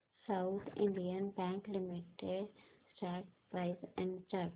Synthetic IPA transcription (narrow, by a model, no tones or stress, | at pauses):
saʊt̪ʰɪ̰̃ɳɖiənbɛ̃ːŋklɪmɪʈeɖsʈɛːk̚pɾaɪsɛ̃ɳɖsʈɛk